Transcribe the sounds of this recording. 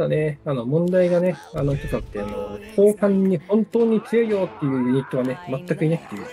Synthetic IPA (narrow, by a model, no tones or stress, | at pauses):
d̪ane̞ano̞mõ̞nd̪aiɡane̞ano̞kʲot̪at̪ːeano̰kʰo̞ːhãɲ̟ːihõ̞nt̪o̞ːɲ̟it͡sɨjo̞ijo̞ːt̪ːe̞jɯ̟ːɲ̟it̪ːo̞βane̞mat̪ːakɯ̟inakɯ̥t̪ːejɯ̟ː